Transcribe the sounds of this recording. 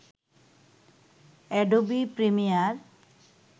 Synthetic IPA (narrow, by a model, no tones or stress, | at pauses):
ɛɖobipɾemijaɾ